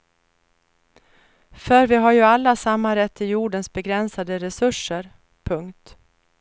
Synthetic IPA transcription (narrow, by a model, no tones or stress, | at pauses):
fœɾvɪɦaɾjɵalːasamːaɾɛt̪ʰːɪjuːɖənsbɛɡɾɛnsad̪əɾɛsɵʂːəɾ | pʰɵŋkt̪